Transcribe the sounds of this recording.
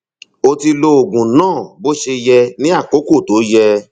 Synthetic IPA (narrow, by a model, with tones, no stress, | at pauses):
o˧ti˧lo˧o˨ɡũ˨nãː˦˨bo˦ʃe˧jɛ˧nĩ˦a˦˨ko˨˦ko˦˨to˨˦jɛ˧